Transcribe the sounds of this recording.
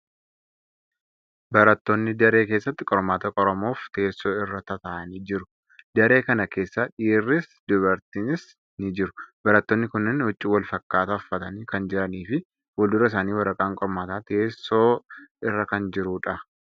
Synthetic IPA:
bɐɾɐt̪ːoːnːɪd̪ɐɾeːke̞ːsːɐt̪ːɪkʼɔɾmaːt̪ɐkʼɔɾɔmo̞ːft̪e̞ːsːo̞ːɪrːɐt̪ɐt̪ɐʔɐniːd͡ʒɪɾʊ | d̪ɐɾe̞ːkɐnɐke̞ːsːɐᶑiːrːɪsd̪ʊβɐɾt̪ɪnɪs | nɪd͡ʒɪɾʊ̥b̥ɐɾɐt̪ːoːnːɪkʊnːɪnhʊt͡ʃʼːiːwɐlfɐkːaːt̪ɐʊfːɐt̪ɐniːkɐnd͡ʒɪɾɐniːfɪ | wɐld̪ʊɾɐɪs̬aːniːwɐɾɐkʼaːŋkʼɔɾmaːt̪aːt̪eːsːoːɪrːɐkɐnd͡ʒɪɾuːᶑɐ

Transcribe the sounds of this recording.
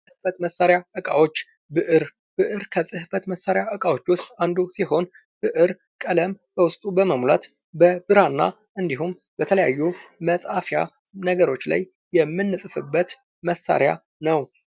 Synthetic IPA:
sʼɨhfət̪məsːaɾjaʔɨkʼawo̞t͡ʃː | bɨʔɨɾ | b̥ɨʔɨɾkʰəsʼɨhfət̪məsːaɾjaʔɨkʼawo̞t͡ʃːwʊst̪ʼand̪usiho̞n | b̥ɨʔɨɾ | kʼələm | b̥əwʊst̪ʼubəməmla̰t̪ | bəbɨɾanːa̰ | ʔɨnd̪iɦum | bət̪ʰələjajːuməsʼafja̰ | nəɡəɾo̞t͡ʃːla̰jːɛmːɨnːɨsʼɨfɨbːət̪ | məsːa̰ɾja̰ | nəw

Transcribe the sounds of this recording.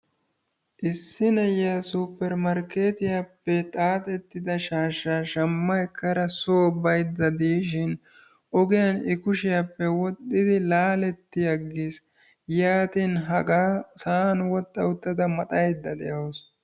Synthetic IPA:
ʔɪsːɪnɐjasupːɛɾmɐɾke̞ːt̪ɪjapːɛt̪ʼaːt̪ʼɛt̪ːɪd̪ɐʃaːʃaːʃɐmːɐɛkːɐɾɐsoːbɐjd̪ːɐd̪iːʃɪn | ʔɔɡɪjɐnɪkʊʃɪjapːɛwɔt̪ʼːɪd̪ɪlaːlɛt̪ːɪjɐɡːiːs | jaːt̪inɦɐɡasanwɔt̪ʼːɐʊt̪ːɐd̪ɐmɐt̪ʼɐjd̪ːɐd̪ɛjɐws

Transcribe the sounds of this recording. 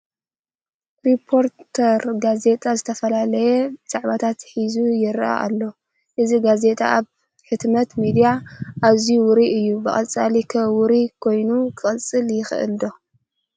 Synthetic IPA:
ɾipʰo̞ɾt̪ʰɐɾɡaze̞t̪ʼazɨt̪ʰɐfɐlalɐjɛt͡sʼaʕβat̪ʰat̪ħizujɪɾʔa̰ʔa̰lːo̞ | ʔɨziɡaze̞t̪ʼa̰ʔaβ | ħɨt̪mɐt̪mid̪ijaʔazjuwʊɾiʔɨjːubɨχʼɐt͡sʼalikʰɐwʊɾikʰo̞jnukʰɨχʼɨt͡sʼɨljɪxɨ̰ʔɨ̰ld̪o̞

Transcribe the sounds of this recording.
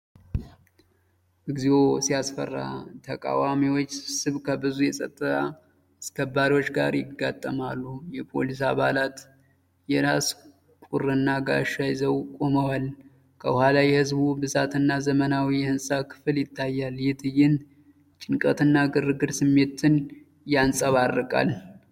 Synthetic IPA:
ʔɨɡzio̞sijasfə̰rːa̰t̪ʰəkʼa̰wamiwot͡ʃːsɨβkʰəbɨzujɛsʼə̰t̪ʼːɨt̪ʰa | askʰəbaɾiwo̞t͡ʃːɡa̰ɾjɪɡːat̪ʼːəmalːujɛpʰo̞̰lis̬a̰βalat̪ | jɛɾas | kʼuɾɨnːaɡa̰ʃajzəwkʼo̞məwal | kʰəhalajɛhɨzbubɨzat̪ʰɨnːazəmənawijɛhɨnsʼakʰɨ̥fɨljɪt̪ʰːajːaljɪt̪ʰɨjɪn | t͡ʃʼɪŋkʼət̪ɨnːaɡɨrɨɡɨɾsɨmːe̞t̪ʰɨn | jansʼəβarːɨkʼa̰l

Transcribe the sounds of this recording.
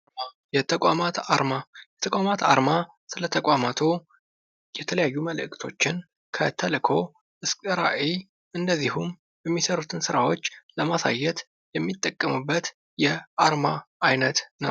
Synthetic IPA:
jɛt̪ʰəkʷʼamat̪aɾmajɛt̪ʰəkʷʼamat̪ʰa̰ɾma | sɨlət̪ʰəkʼamat̪ʰo | jɛt̪ʰələjajːuməlʔɨkʼt̪ʰo̞t͡ʃːɪn | kʰət̪ʰəlɨkʰo̞ | ʔɨskʼɨɾa̰ʔe | ʔɨnd̪əzːihum | jɛmːisəɾut̪ʰɨnsɨɾawo̞t͡ʃːləmasa̰jːɛt̪ | jɛmːit̪ʼːəkʼːəmɨbːət̪ | jɛʔaɾmaʔajnət̪nə̰w

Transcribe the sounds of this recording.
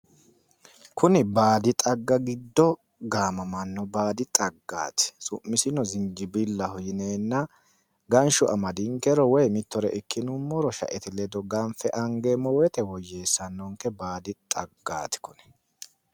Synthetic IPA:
kʊnɪbaːd̪ɪt̪ʼɐɡːɐɡɪd̪ːɔ | ɡaːmɐmɐnːɔbaːd̪ɪt̪ʼɐɡːa̰ːt̪ɪ̥sʊmːɪsɪnɔzɪnd͡ʒɪbɪlːɐhɔjɪneːnːɐ | ɡɐnʃʊʔɐmɐd̪ɪŋkːɛɾɔwɔjmɪt̪ːɔɾɛʔɪkːɪnʊmːɔɾɔʃɐ̰ʔɛt̪ɪlɛd̪ɔɡɐnfɛʔɐŋɡemɔwɛt̪ɛwɔjːe̞ːsːɐnːɔŋkːɛbaːd̪ɪt̪ʼɐɡːa̰ːt̪ɪ̥kɔnɛ̥

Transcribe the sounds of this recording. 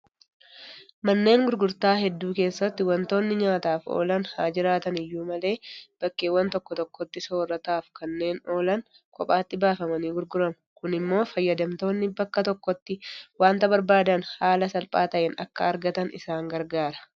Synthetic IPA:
mɐnːe̞ːŋɡʊɾɡʊɾt̪aːɦɛd̪ːuːke̞ːsːɐt̪ːɪwɐnt̪o̞ːnːɪɲaːt̪aːfo̰ːlɐnhaːd͡ʒɪɾaːt̪ɐnɪjːuːmɐle̞ːb̥ɐkːeːwːɐnt̪ɔkːɔt̪ɔkːɔt̪ːɪsoːrːɐt̪aːfkɐnːe̞ːno̞ːlɐn | kʼɔpʼaːt̪ːɪbaːfɐmɐniːɡʊɾɡʊɾɐmɐkʊnɪmːo̞ːfɐjːɐd̪ɐmt̪o̞ːnːɪbɐkːɐt̪ɔkːɔt̪ːɪwaːnt̪ɐbɐɾbaːd̪ɐnhaːlɐsɐlpʼaːt̪ɐʔɛnɐ̰kːɐːɾɡɐt̪ɐnɪ̰saːŋɡɐɾɡaːɾɐ̥

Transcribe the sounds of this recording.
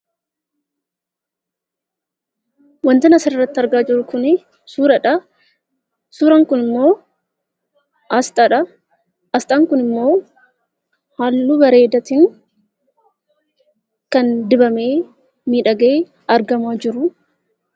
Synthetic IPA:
wɐnt̪ɐnɐsɐɪrːɐt̪ːɪɐɾɡaːd͡ʒɪɾʊkʊnɪ | suːɾɐᶑɐ | suːɾɐŋkʊnɪmːo̞ː | ɐst̪ʼɐᶑɐ | ʔɐst̪ʼaːŋkʊnɪmːo̞ː | haːlːuɡɐɾe̞ːd̪ɐt̪ɪŋ | kɐnd̪ɪbɐme̞ː | miːᶑɐɡɐeː | ɐɾɡɐmaːd͡ʒɪɾʊ

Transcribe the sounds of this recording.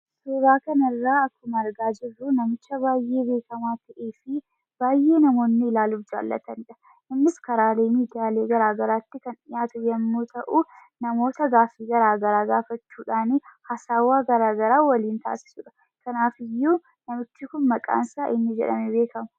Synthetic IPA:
sʊːbaːkɐnɐrːaːɐkːʊmɐɐɾɡaːd͡ʒɪrːunɐmɪt͡ʃːɐbaːjʔe̞ːbe̞ːkɐmaːt̪ʰɐʔeːfɪ | b̥aːjʔe̞ːnɐmo̞ːnːɪːlaːlʊfd͡ʒa̰ːlːɐ̰t̪ɐnɪᶑɐ̥ | ʔɪnːɪskɐɾaːle̞ːmiːd̪ɪjaːle̞ːɡɐɾaːɡɐɾaːt̪ːɪkɐnᶑɪjaːt̪ʊjɐmːuːt̪ʰɐʔu | nɐmo̞ːt̪ɐɡaːfiːɡɐɾaːɡɐɾaːɡaːfɐt͡ʃːuːᶑaːnɪhɐsaːwaːɡɐɾaːɡɐɾaːwɐliːnt̪a̰ːsɪ̥sʊᶑɐ̥ | kɐnaːfɪjːuː | nɐmɪtːɪkʊnmɐkʼa̰ːnsaːʔɪnːɪd͡ʒɛ̰ᶑɐ̰mɛbe̞ːkɐmʊ̥

